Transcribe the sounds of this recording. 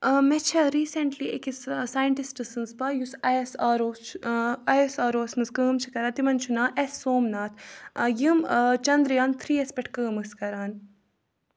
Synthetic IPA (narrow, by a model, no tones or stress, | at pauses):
mɛt͡ʃʰɐɾiːseɳʈliekissaːjɐɳʈisʈɨsɨnspɐjusɐsaːɾoː | ɐjsaːɾoːsmɨnzkəːmt͡ʃʰi̥kɐɾaːt̪imɐnt͡ʃʰunaːʔesːoːmnaːt̪ʰjɨmt͡ʃɐnd̪ɾjaːnt̪ʰɾiːespɛʈʰkəːmɨskɐɾaːn